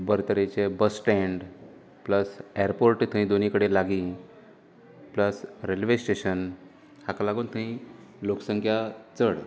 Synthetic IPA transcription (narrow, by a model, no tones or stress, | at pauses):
bəɾt̪əɾet͡ɕebəsʈɛ̃ɳɖ | pləsaɾpoɾʈt̪ʰə̃ɦĩd̪onikəɽelaɡĩ | pləsɾelʋesʈeɕən | hakalaɡuːnt̪ʰə̃ɦĩlokəsə̃ŋkʰjat͡səɽ